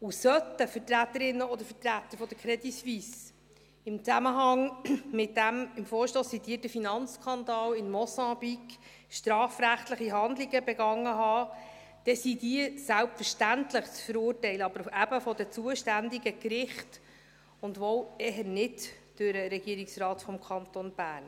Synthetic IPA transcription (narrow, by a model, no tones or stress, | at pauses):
ʊsœt̪əfətɾæt̪ːəɾɪnːəɔd̪əɾfətɾæt̪ːəɾfɔd̥̪əɾkʰɾɛd̪isvis | ɪmt͡sæməɦɑŋmɪt̚d̥æmɪmfɔːɾʃtoːsːit̪iːtəfinɑnt͡skʰɑnd̪ɑːwɪnmɔsɑ̃bik | ʃtɾɑːfɾæχt̪ləχiɦɑnd̪liɡəbɛɡɑŋːəɦɑː | d̥ɛsid̥iəsælpfəɾʃtæntləχt͡sfəɾuːrtɛɪləɑbəɾæb̥əfɔdət͡suəʃtændiɡəkɾɪχt | ʊndʋɔwɛɦənɪtd̥øɾəɾɛɡ̥iəɾiksrɑːtfɔmkʰɑnt̪onb̥æːrn